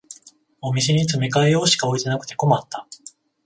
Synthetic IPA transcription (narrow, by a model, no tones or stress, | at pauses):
o̞mʲis̬e̞ɲ̟it͡sɨme̞kaejo̞ːɕi̥kao̞it̪e̞nakɯ̟̥t̪e̞ko̞mat̪ːa